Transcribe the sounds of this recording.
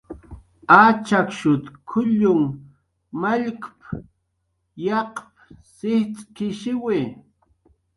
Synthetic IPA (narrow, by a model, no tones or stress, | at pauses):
at͡ʃakʃʊt̪kʰʊʎʊŋ | maʎkp | jɑqp̚sɪht͡sʼkɪʃɪwɪ